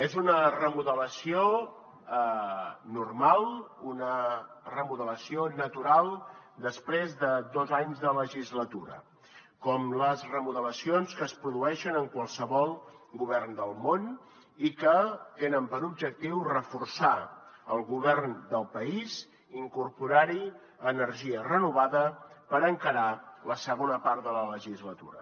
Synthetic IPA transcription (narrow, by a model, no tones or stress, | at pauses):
ezunərəmuðələsio | nurmalˠunə | rəmuðələsionət̪uɾalˠd̪əspɾezðəd̪ɔzaɲzðələʒizlət̪uɾə̰ | kɔmləzrəmuðələsionskəːspɾuðuɛʃənəŋkwalˠsəβɔlˠɣuβɛrnd̪əlˠmon | ikət̪enəmpəɾub̚d͡ʒək̚t̪iwrəfursaəlˠɣuβɛrnd̪əlˠpəiz | iŋkuɾpuɾaɾi | ənəɾʒiərənuβaðəpəɾəŋkəɾaləsəɣonəpaɾt̪ðələləʒizlət̪ṵɾə̰